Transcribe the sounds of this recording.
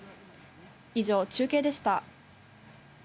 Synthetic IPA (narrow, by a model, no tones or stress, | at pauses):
iʑo̞ːt͡ɕɨːke̞ːd̪e̞ɕi̥t̪a